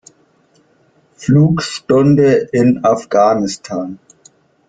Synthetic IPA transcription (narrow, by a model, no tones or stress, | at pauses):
fluːkʃtɔndəʔɪnafɡ̥aːnɪstʰaːn